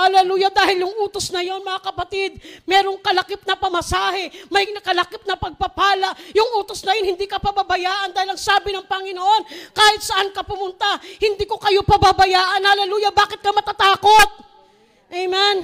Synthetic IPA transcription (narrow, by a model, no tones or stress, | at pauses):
ɐlɐluːjɐd̪aːhɪljʊŋʔuːt̪o̞snɐjo̞nmɐŋakɐpɐt̪ɪd̪̚mɛːɾo̞ŋkɐlɐkɪp̚nɐpɐmɐsaːhɛmɐjnɐkɐlɐkɪp̚nɐpɐɡ̚pɐpaːlɐʔjʊŋʔuːt̪o̞snɐjonhɪnd̪iːkɐpɐbabɐjaːʔɐnd̪aːhɪlɐŋsaːbɪnɐŋpɐŋɪnoʔo̞nkaːhɪt̪̚sɐʔankɐpʊmʊnt̪ahɪnd̪iːko̞kɐjo̞pɐbabɐjaːʔɐnɐlɐluːjɐbaːkɪt̪̚kɐmɐt̪at̪aːko̞t̪̚ | ʔɛjmɛn